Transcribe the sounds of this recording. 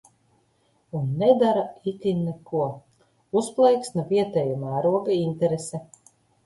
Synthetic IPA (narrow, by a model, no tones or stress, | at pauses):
unːɛd̪aɾait̪ʲinːekuɔ | usplˠɛjksnaviɛt̪ɛjumæːɾuɔɡainʲt̪ɛɾesɛ